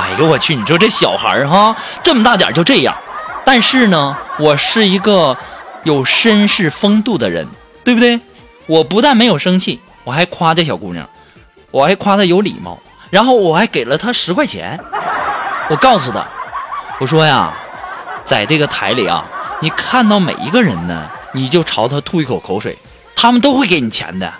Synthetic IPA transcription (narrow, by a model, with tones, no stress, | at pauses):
a̰˨˩jo˧˥wɔ˨˩t͡ɕʰy˥˩ni˨˩ʂwʈ͡ʂɤ˥˩ɕjɑ˨˩ʊxə̰˧˥a˥˧ʈ͡ʂɤ˥˩mə˩t̪a˥˩t̪ja̰˨˩t͡ɕjo˥˧ʊʈ͡ʂɤ˥˧˩jɑ̰˥˩ŋt̪a˥˧nʂɻ̩˥˩nə˩wɔ˨˩ʂɻ̩˥˩i˧˥ɡə˥˧jo˨˩ʊʂə˥nʂɻ̩˥˩fɤ˥ŋt̪u˥˩d̪ə˩ɻə̰˧˥n | t̪we˥˩bʊ˩t̪we˥˩ɪ | wɔ˨˩pu˧˥t̪a˥˩nme˧˥ɪjo˨˩ʊʂɤ˥ŋt͡ɕʰi˥˩ | wɔ˨˩xa˧˥ɪkʰwa˥ɤ˥˩ɕjɑ˨˩ʊkṵ˥˩n̰˧˩ŋ | wɔ˨˩xa˧˥ɪkʰwa˥t̪ʰa˥˩jo˧˥ʊlḭ˨˩mɑ̰˥˩ʊ | ɻa˧˥nxo˥˩ʊwɔ˨˩xa˧˥ɪke˨˩ɪlə˦t̪ʰa˥ʂɻ̩˧˥kʰwa˥˩ɪt͡ɕʰjɛ̰˧˥n | wɔ˨˩kɑ˥˩ʊsu˨˩d̪ə̰˩wɔ˨˩ʂwɔ˥ja̰˨ | t͡sa˥˩ɪʈ͡ʂɤ˥˩ɡə˩t̪ʰa˧˥ɪlḭ˨˩ɐ̰˧ni˨˩kʰa˥˧nt̪ɑ˥˩ʊmḛ˨˩ɪḭ˧˥ɡə˧ɻə̰˧˥nnə̰˧ni˨˩t͡ɕjo˥˩ʊʈ͡ʂʰɑ˧˥ʊt̪ʰa˥t̪ʰu˥˧i˥˩kʰo˨˩ʊkʰo˧˥ʊʂwḛ˨˩ɪ | t̪ʰa˥mə˨nt̪̬o˥ʊxwe˥˩ɪke˧˥ɪni˨˩t͡ɕʰjɛ̰˧˥nd̪ə̰˧